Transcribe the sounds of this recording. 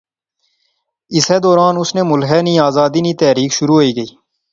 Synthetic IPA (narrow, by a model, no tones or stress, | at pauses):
ɪseːd̪oːɾaːnʊsneːmʊlɦɛːnĩːaːzaːd̪iːniːt̪ɛːɾiːkʃʊɾuːɦoiːɡəiː